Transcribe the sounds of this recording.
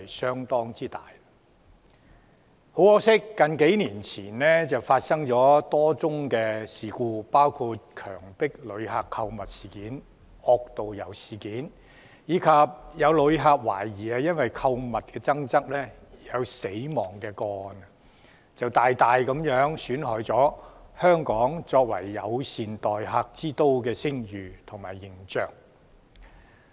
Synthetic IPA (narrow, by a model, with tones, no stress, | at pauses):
jsœː˥ŋt̪ɔː˥ŋt͡siː˥t̪aː˨˩j | ho˨˥wɔː˥ksɪ˥kːɐ˨nke˨˥jniː˨˩nt͡sʰiː˨˩nlɛː˥t͡sɐ˨wfaː˧t̚sɐ˥ŋt͡ʃɔː˨˥t̪ɔː˥t͡sʊ˥ŋkɛː˧siː˨˩kuː˧paː˥wkʰuː˧t̚kʰœ̰ː˨˩ŋpɪ˥k̚lɵ˨˧˥ɥɦaː˨kʰːɐ˧wmɐ˨t̚si̥ː˨˩kiː˨˥n | ɔː˧k̚t̪o˨wjɐ˨˩wsiː˨˩kiː˨˥n | jiː˨˧kʰɐ˨˧p̚jɐ˨˧wlɵ˨˧ɥɦaː˧k̚waː˨˩jjiː˨˩aː˧jɐ˥nwɐ˨jkʰɐ˧wmɐ˨t̚kɛː˧t͡sɐ˥ŋt͡sɐ˥k̚lɛː˥jɐ˨˧wse˨˥jmɔː˨˩ŋkɛː˧kɔː˧ɔ˨˩n˨ | t͡sɐ˨wt̪aː˨jt̪aː˨jkɐ˨˥mjœː˨˥ŋsyː˨˥nɦœː˨˥jt͡sɔː˨˥hœː˥ŋkɔː˨˥ŋt͡sɔː˧k̚wɐ˨˩jːɐ˨˧wsiː˨nt̪ɔː˨jɦaː˧k̚t͡siː˥t̪o˥wkɛː˧sɪ˥ŋjyː˨˩t̪ʰʊ˨˩ŋmaː˨˩jːɪ˨˩ŋt͡ʃœː˨k̚